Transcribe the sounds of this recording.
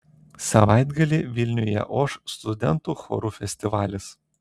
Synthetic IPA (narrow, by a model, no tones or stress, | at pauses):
sɐʋɑˑɪd̪ɡɐlʲiːʋʲɪlʲnʲʊjɛ̰ʔoʃst̪ʊd̪ʲɛnt̪uːxɔ̰ɾufʲɛsʲt̪ʲɪʋɑːlʲɪs